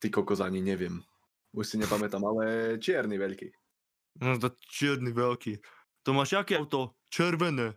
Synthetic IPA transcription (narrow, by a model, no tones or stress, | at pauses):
t̪ikɔkɔzaɲiɲɛvjɛm | uʃsiɲɛpamɛt̪amalɛt͡ʃɪɛɾnivɛʎkḭ | mɔʒd̪att͡ʃɪɛɾnivɛlki | t̪ɔmaʃjakɛawt̪ɔ | t͡ʃɛɾvɛnɛ